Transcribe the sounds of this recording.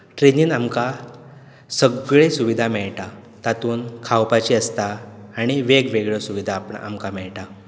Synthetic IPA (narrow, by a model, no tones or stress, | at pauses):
ʈɾeniːnamka | səɡɭesuʋid̪ʱamɛɭʈa | t̪at̪uːnkʰawpat͡ɕiəst̪aːɽ̃iʋeɡʋeɡɭəsuʋid̪ʱaːpɳ̰a̰mkamɛɭʈa